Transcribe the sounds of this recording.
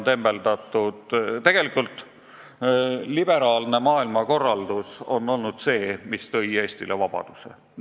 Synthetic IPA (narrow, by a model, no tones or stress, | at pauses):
t̪e̞mbe̞lt̪ɑt̪ːˑud̪t̪e̞ɡ̥e̞likˑult̪ˑ | lib̥e̞ɾɑːlne̞mɑːilmɑko̞rːɑld̪uso̞̰nːo̞lnud̪̥se̞ːmist̪ɤ̞ie̞ːsʲt̪ilevɑb̥ɑ̰d̪̥usḛ